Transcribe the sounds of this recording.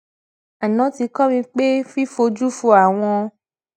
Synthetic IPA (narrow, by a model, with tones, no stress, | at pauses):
a˨nɔ̃˨˦ti˧kɔ˦mĩ˧k͡pe˦fi˦fo˧d͡ʒu˦fu˧˦a˨w̃ɔ̃˧